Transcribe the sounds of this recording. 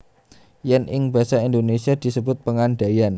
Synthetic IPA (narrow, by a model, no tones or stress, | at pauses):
jɛnɪŋbasaind̪onesiad̪̥isəbʊt̪̚pəŋanɖajan